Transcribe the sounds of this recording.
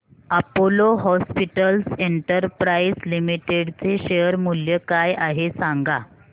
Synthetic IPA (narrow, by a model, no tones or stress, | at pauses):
apoloɦɔspiʈəlseɳʈəɾpɾaislimiʈeɽt͡seɕejəɾmuljəkajaɦesãŋɡa